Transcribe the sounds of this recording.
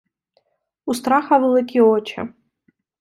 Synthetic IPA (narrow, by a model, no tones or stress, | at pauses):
ust̪raχavɨlˠɨkʲʼiot͡ʃʰa̰